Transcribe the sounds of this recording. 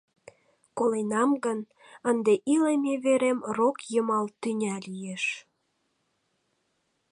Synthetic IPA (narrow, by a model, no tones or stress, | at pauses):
kolenɑmɡən | ənd̪eʔilemeβeɾemrokjəmɑlt̪ynʲælijeʃ